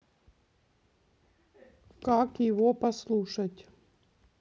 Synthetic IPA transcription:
kakjɪvopɐslˠuʂɐtʲ

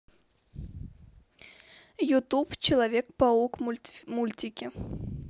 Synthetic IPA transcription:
jʊt̪upt͡ɕɪlˠɐvʲek̚pɐukmulʲtʲɪkʲɪ

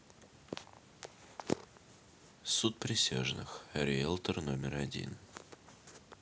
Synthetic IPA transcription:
sut̪̚pɾʲɪsʲa̰ʐnɨ̰xɾʲɪɛlˠt̪ərnomʲɪrɐdʲḭn

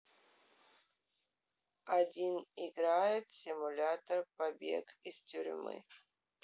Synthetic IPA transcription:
adʲiniɡɾajɪt̪sʲimulʲat̪orpabʲḛɡist̪ʲyɾ̰ʲmɨ̰j

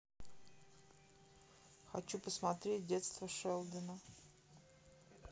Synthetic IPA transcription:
xɐt͡ɕupəsmat̪ɾʲet̚ʲdʲet̪st̪vəʂɛlˠd̪ʲɪnə

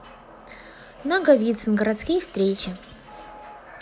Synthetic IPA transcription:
naɡɐvʲit̪sɨnɡəɾat̪skʲijfst̪ɾʲet͡ɕɪ

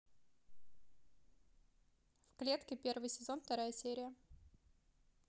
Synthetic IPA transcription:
fklʲe̞t̪kʲɪpʲe̞rvɨjsʲɪzo̞nft̪ɐɾajəsʲeɾʲɪjə

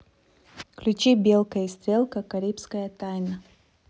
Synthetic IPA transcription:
klʲʊt͡ɕibʲelˠkəjist̪ɾʲelˠkəkɐɾʲipskəjət̪ajnə

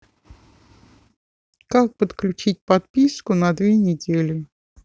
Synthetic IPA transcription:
kak̚pət̪klʲʉt͡ɕit̚ʲpɐt̪̚pʲiskʊnɐd̪vʲenʲɪdʲelʲɪ

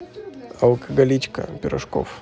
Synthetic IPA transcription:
ɐlˠkɐɡɐlʲit͡ɕkə̰pʲɪɾɐʂko̰f

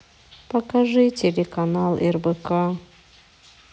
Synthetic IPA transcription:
pɐkɐʐɨtʲelʲekɐnalˠɛrbəka

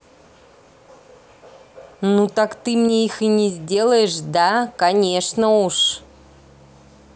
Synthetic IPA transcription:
nut̪akt̪ɨmnʲeixɨnʲɪzʲdʲe̞lˠəjɪʂd̪akɐnʲeʂnəuʂ

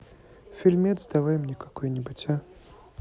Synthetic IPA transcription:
fʲilʲmʲed̪zd̪avajɪmnʲɛkakojnʲɪbɨtʲa

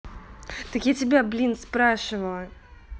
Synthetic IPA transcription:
t̪əkjatʲɪbʲablʲinspɾaʂɨvəlˠə

